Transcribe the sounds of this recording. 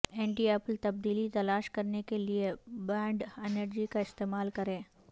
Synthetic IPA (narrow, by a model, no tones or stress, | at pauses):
ɛ̃ːɳʈieːplt̪ɐb̚d̪iːlit̪ɐlaːʃkɐɾnekeliebɛ̃ːɳɖɛnəɾd͡ʒikaɪst̪eːmaːlkɐɾẽː